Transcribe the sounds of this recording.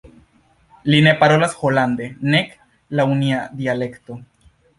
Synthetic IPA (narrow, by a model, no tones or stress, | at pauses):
line̞paɾo̞lasho̞land̪e̞nek | launiad̪iale̞kt̪o̞